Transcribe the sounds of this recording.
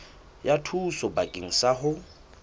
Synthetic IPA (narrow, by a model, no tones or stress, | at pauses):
jatʰusɔbakʼiŋ̩saɦʊ